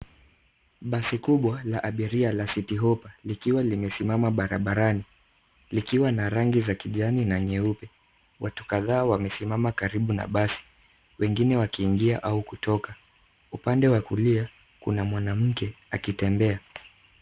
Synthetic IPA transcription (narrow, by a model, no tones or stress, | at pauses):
ɓasikuɓwalaʔaɓiɾialasitiɦɔpalikiwalimɛsimamaɓaɾaɓaɾani | likiwanaɾaŋɡizakiʄaninaɲɛupɛ | watu̥kaðaːwamɛsimamakaɾiɓuna̰ɓasi̥ | wɛŋɡinɛwakiːŋɡiaʔaukutɔka | upandɛwakulia | kunamwanam̩kɛakitɛmbɛa